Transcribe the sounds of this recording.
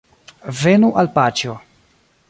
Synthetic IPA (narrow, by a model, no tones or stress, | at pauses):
ve̞nuʔalpat͡ʃo